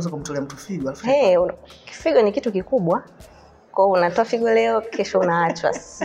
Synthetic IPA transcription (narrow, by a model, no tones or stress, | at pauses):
zakum̩tɔlɛam̩tufiɡɔɛki̥fiɡɔnikitukikuɓwa | kɔɔunatɔafiɡɔlɛɔkʰɛʃɔunaat͡ʃwa̰s